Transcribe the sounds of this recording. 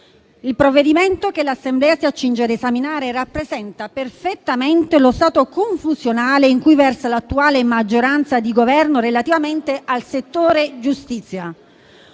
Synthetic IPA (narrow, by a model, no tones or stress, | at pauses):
ilpɾovːed̪iment̪okelasːemblɛːasiat͡ʃːind͡ʒed̪esaminaːɾerapːɾezɛnt̪aperfet̪ːament̪elost̪aːt̪okoɱfuzjonaːleiŋkujvɛrsalat̪ːuaːlemad͡ʒːoɾant̪sad̪iɡovɛrnorelat̪ivament̪eʔalset̪ːoːɾed͡ʒust̪it̪sːja